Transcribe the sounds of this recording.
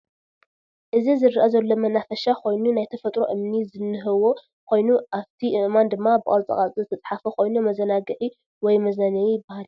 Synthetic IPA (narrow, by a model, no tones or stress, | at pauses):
ʔɨzizɨɾɨʔazɐlːo̞mɐnafɐʃakʰo̞jnunajt̪ʰɐfɐt̪ʼɾoʔɨmnizɨnːɨɦɨwo | kʰo̞jnuʔaβt̪ʰiʔɨʔmand̪ɨmːabɨkʼɐlt͡sʼɐ̰χʼat͡sʼizɨt̪ʰɐt͡sʼħafɐkʰo̞jnumɐzɐnaɡɨʕi | wɔjmɐzɐnɐjijɪbahal